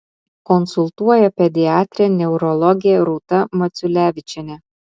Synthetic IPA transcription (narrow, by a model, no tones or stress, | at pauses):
kɔnsʊlˠt̪uɔjɛpʲɛd̪ʲɪɑːt̪ʲɾʲɛnʲɛʊɾɔlˠɔɡʲɪjɛɾuːt̪ɐmɐt̪sʲʊlʲæːʋʲɪt͡ʃʲɛnʲɛ